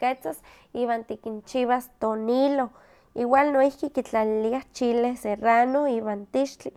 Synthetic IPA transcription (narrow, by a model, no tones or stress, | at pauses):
ket͡sas | iːβaːnt̪ikint͡ʃiβast̪onilo | iwalnoihkikit͡ɬaliliaht͡ʃilehseranoiːβant̪iʃt͡ɬi